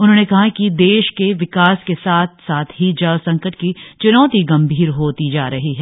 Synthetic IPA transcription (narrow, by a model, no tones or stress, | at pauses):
ʊnɦõːnekɐɦakid̪eːʃkeʋɪkaːskesaːt̪ʰsaːt̪ʰɦid͡ʒɐʋsɐ̃ŋkəʈkit͡ʃʊnɔːt̪iɡɐ̃mbʱiːɾɦoːt̪id͡ʒaːɾɐɦiɦɛː